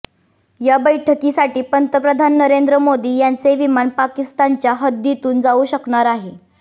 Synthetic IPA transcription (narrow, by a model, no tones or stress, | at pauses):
jabəjʈʰəkisaʈiːpənt̪əpɾəd̪ʱanːəɾend̪ɾəmod̪iːjant͡seʋimanpakist̪ant͡ɕjaɦəd̪jit̪uːnd͡zauɕəkɳaɾaɦe